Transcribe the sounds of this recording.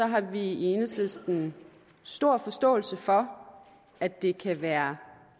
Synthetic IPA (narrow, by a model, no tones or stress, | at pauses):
sɒ̽ɦɑ̈ʋieːnəsle̝sd̥n̩ | sd̥o̝ɐ̰fɒ̽sd̥ɔ̰̽ːl̩səfɒ̽ | æ̥e̝kʰæʋæːɐ